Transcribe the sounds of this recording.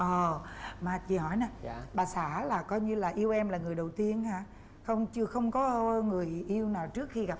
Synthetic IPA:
ʔɔː˨˩maː˨˩vi˨˩hɔ˧˩˦jna˨˩˧ɓaː˨˩saː˧˩˦laː˨˩kɔ˧jɲɨ˧laː˨˩ʔi˧əwʔɛ˧mlaː˨˩ŋɨ˨˩əjɗə˨˩wt̪i˧ənhaː˧˩ | xə˧wŋ͡mt͡ɕɨ˧əxə˧wŋ͡mkɔ˨˦ŋɨ˨˩əjʔi˧əwnaː˨˩wt͡ɕɨ˦˥ək̚xi˧ɣa˨˩p

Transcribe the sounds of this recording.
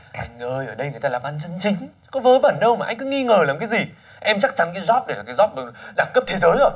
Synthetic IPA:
ʔa˧jŋ̟ʔəː˧jʔəː˧˩ɗə˧jŋɨ˨˩jt̪aː˧laː˨˩ɓaː˧nt͡ɕə˧nt͡ɕï˨˦ŋ̟ | kɔ˨˦vəː˨˦və̰˧˩nɗə˧wmaː˨˩a˧jŋ̟kɔ˨˦ŋi˧ŋəː˨˩laː˨˩mkaː˨˦jzi˨˩ | ʔɛ˧mt͡ɕa˦˥k̚t͡ɕa˨˦nkaː˨˦jzɔ˦˥p̚ɗe˧˩laː˨˩kːa˨˦zɔ˦˥p̚ɗɨ˨˩ɗaː˧˩ŋkə˦˥p̚t̪ʰe˨˦zəː˨˦jʔo˧˩j

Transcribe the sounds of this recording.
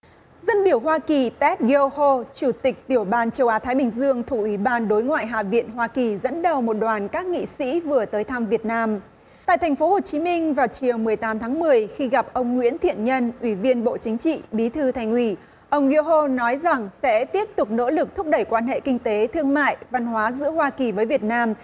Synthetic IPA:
zə˧nɓi˧˩əwɦwaː˧ki˨˩t̪ɛ˦˥t̚ɣi˧o˧ho˧t͡ɕu˧˩t̪ï˨˩k̟̚t̪i˧˩əwɓaː˧nt͡ɕə˧wʔaː˨˦t̪ʰaː˨˦jɓï˨˩ŋ̟zɨ˧əŋt̪ʰu˧˩ʔwi˧˩ɓaː˧nɗo˨˦jŋwa̰ː˧˨jɦa̰ː˧˨vḭ˧˨ənɦwaː˧ki˨˩zə̰˧˥nɗə˨˩wmo˨˩t̚ɗwaː˨˩nkaː˦˥k̚ŋḭ˧˨sḭ˧˥vɨ˨˩ət̪əː˨˦jt̪ʰa˧mvi˨˩ət̚naː˧m | tt̪a̰ː˧˨jt̪ʰa˨˩jŋ̟fo˨˦ho˨˩t͡ɕi˨˦mï˧ŋ̟vaː˨˩wt͡ɕi˨˩əwmɨ˨˩əjt̪aː˨˦mt̪ʰaː˨˦ŋmɨ˨˩əjxi˧ɣa˨˩p̚ʔə˧wŋ͡mŋwḭ˧˥ənt̪ʰḭ˧˨ənɲə˧nʔwi˧˩vi˧ənɓo̰˧˨t͡ɕï˨˦ŋ̟t͡ɕḭ˧˨ɓi˨˦t̪ʰɨ˧t̪ʰa˨˩jŋ̟ʔwi˧˩ | ʔə˧wŋ͡mɣi˧o˧ɦo˧nɔ˨˦jza˨˩ŋsɛ̰˧˥t̪i˦˥əp̚t̪ʊ˨˩k͡p̚no̰˧˥lɨ˨˩k̚t̪ʰʊ˦˥k͡p̚ɗə˧˩jkwaː˧nhɦḛ˧˨kï˧ŋ̟t̪e˨˦t̪ʰɨ˧əŋma̰ː˧˨jva˧nɦwaː˨˦zɨ̰˧˥əhwaː˧ki˨˩vəː˨˦jvi˨˩ət̚naː˧m

